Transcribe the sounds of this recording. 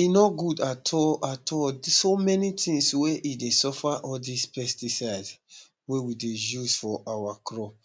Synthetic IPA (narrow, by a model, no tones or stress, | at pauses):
inɔɡudatʰɔatʰɔlsomɛnitʰĩŋsweʔidesɔfaʔɔldispɛstisaɪd | wewidejuzfɔʔawakɹɔp